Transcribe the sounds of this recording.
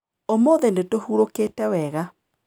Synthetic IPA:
omoːðɛndetohuɾokeːtɛwɛɣa

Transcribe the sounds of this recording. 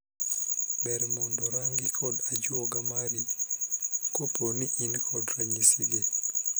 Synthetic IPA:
bɛɾmɔndɔɾaŋɡikʰɔdad͡ʒwɔɡamaɾi | koponiʔinkʰɔdɾaɲisiɡe

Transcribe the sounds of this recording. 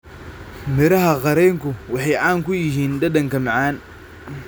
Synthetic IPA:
mɪɾɐɦɐqɑɾɛːŋkʊwɑħɑjʕaːŋkʰʊjɪɦiːnd̪ɐd̪ɐŋkʰɐmɑʕɑːn

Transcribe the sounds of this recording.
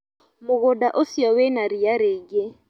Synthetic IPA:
mʊɣʊdaʔosiɔwenaɾijaɾeːɡe

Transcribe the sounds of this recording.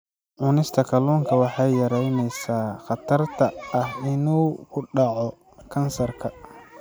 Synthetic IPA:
ʕʊnɪst̪ʰɐkʰɐluːŋkʰɐwɑħɑjjɐɾɛjnɛjsaːχɑt̪ʰɐrt̪ʰɐɐhɪnuːkʰʊɖɑʕɔ | kʰɐnsɐrkʰɐ

